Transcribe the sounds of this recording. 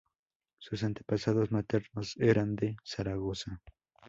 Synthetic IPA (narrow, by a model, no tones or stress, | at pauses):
sʊsant̪e̥pasaðosmat̪eɾnoseɾand̪esaɾaɣosa